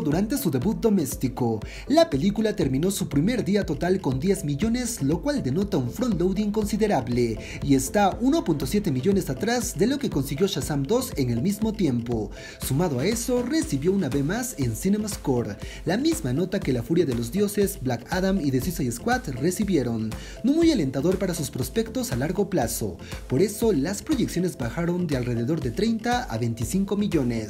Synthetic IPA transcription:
ðuɾant̪e̞suðe̞βut̪̚d̪o̞me̞st̪iko̞ | lape̞likulat̪e̞ɾmĩno̞supɾime̞ɾðiat̪o̞t̪alko̞nd̪je̞zmiʝo̞ne̞zlo̞kwald̪e̞no̞t̪auɱfɾonlowd̪iŋko̞nsiðe̞ɾaβle̞ | ie̞st̪auno̞punt̪o̞sje̞t̪e̞miʝo̞ne̞sat̪ɾazðe̞lo̞ke̞ko̞nsiɣjo̞ʃasamd̪o̞se̞ŋe̞lmizmo̞t̪je̞mpo̞ | sumað̞oae̞so̞re̞siβjo̞unaβe̞zmase̞nsinemaskoɾlamizmano̞t̪ake̞lafuɾjaðelo̞zðjo̞se̞zblakaðamiðe̞sisajeskwat̪re̞siβje̞ɾo̞nː | omujale̞nt̪aðo̞ɾpaɾasuspɾo̞spe̞kt̪o̞salaɾɣo̞plaso̞̰ | po̞ɾe̞so̞laspɾo̞ʝeksjo̞ne̞zbaxaɾo̞nd̪ealre̞ðe̞ðo̞ɾðet̪ɾe̞jnt̪aa̰βe̞nt̪isiŋko̞miʝo̞ne̞s

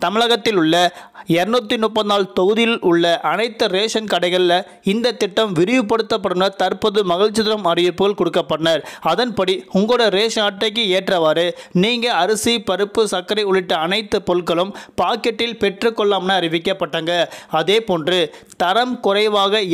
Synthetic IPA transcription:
t̪ɐmɪɭɐɣɐt̪ːɪlʊɭːɐ | ɛɾɯnuːt̪ːinʊpːɐt̪naːlt̪ɔɣɯðɪlʊɭːɐʔɐnɐɪt̪ːɯɾeːʂɐnkɐɽɐɪɣɐɭɪlɐ | ɪnd̪ɐt̪ːɪʈːɐmʋɪɾɪʋɯpːɐɽɯt̪ːɐpːɐɽɯmnɐt̪ɐɾpɐðɯmɐɣɐɻt͡ʃːɪðɪɾɐmɐrɪjɯpːɯɣɐɭkɔɽɯkːɐpːɐɽɐnɐɾɐðɐnpɐɽiʊŋɡoːɽɐɾeːʂaːʈːɐɪkːɯeːʈrɐʋaːɾɯniːŋɡɐɐɾɐsipɐɾɯpːɯsɐkːɐɾɐɪʊɭɪʈːɐɐnɐɪt̪ːɯpɔlkɐɭɯmpaːkɛʈːɪlpɛʈrɯkːɔɭːaːmnɐɐɾɪʋɪkːɐpːɐʈːaːŋɡɐɐðeːpoːndrɯt̪ɐɾɐmkʊrɐɪʋaːɣɐ

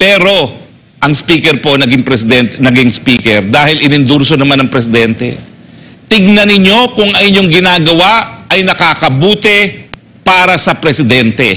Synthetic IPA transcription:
pɛːɾo̞ | ʔɐŋspiːkɛɾpo̞nɐɡɪŋpɾɛsɪd̪ɛnt̪ɛnɐɡɪŋspiːkɛɾd̪aːhɪlʔɪnɪnd̪uɾsonɐmanɐŋpɾɛsɪd̪ɛnt̪ɛ̰ | t̪ɪɡ̚nɐnɪɲo̞kʊŋɐjɪɲoŋɡɪnaːɡɐwaɐjnɐkaːkɐbuːt̪ɛ | paːɾɐsɐpɾɛsɪd̪ɛnt̪ɛ

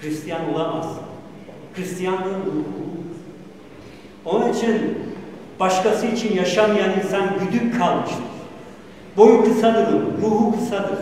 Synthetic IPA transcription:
ɾist̪ʰijanolˠamaz | kɾist̪ʰijand̪ɯnuuuuɾ | o̞nunit͡ʃʰin | b̥aʃkasɯit͡ʃʰinjaʃamɯjaninsænbyd̪ykkʰalˠmɯʃt̪ʰɯɾ̥ | bo̞jukʰɯsad̪ɯd̪ɯɾuːɦukʰɯsad̪ɯɾ

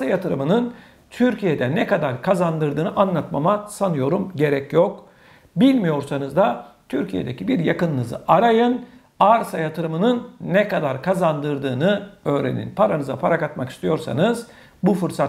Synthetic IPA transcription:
ajat̪ʰɯɾɯmɯnɯn | t̪ʰyɾcʰijed̪ɛnɛkad̪aɾkʰazand̪ɯɾd̪ɯːnɯʔanlˠat̪mamasanɯjo̞ɾumɟe̞ɾɛcjok | bilʲmijo̞ɾsanɯzd̪at̪ʰyɾcʰije̞̰d̪ecʰibiɾjakɯnːɯzɯ̰ʔaɾajɯn | aɾsajat̪ʰɯɾɯmɯnɯnːɛkad̪aɾkʰazand̪ɯɾd̪ɯːnɯø̞ːɾḛnḭnpʰaɾanɯzapʰaɾakat̪maki̥st̪ʰijo̞ɾsa̰nɯz | bufɯɾsa

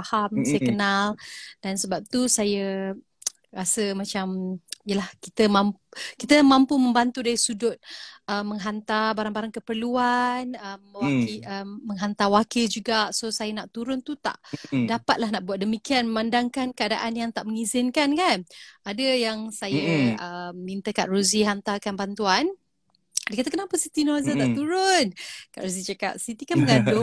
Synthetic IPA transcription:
ahamsajəkənald̥ansəbap̚t̪usajə | ɾasəmãt͡ʃamijəlahkit̪əmamkit̪əmãmpuməmbant̪udaɾisudʊt̪̚ʔəmːəŋɦant̪abaɾaŋbaɾaŋkəpərluanəməwakiəmːəŋɦant̪awakild͡ʒuɡaʔsosajanaʔt̪uɾʊnt̪ut̪a̰ʔdapat̪̚lahnaʔbuat̪̚dəmikianməmandaŋkankəada̰ʔanjaŋt̪aʔməŋizɪnkankanadajaŋsajəəmːint̪akaʔ̪ruziɦant̪akanbant̪uan | dakat̪akənapəsit̪inɔzənaʔt̪uɾʊnkaʔɾuzit͡ʃaka̰t̚sit̪ikanməŋadʊ

